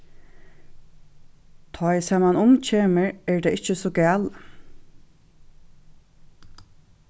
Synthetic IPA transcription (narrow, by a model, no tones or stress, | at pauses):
t̪ʰɔjsɛːmanʊmt͡ʃʰeːməɹɛɹd̪ɛɪt͡ʃəsɔɡæːl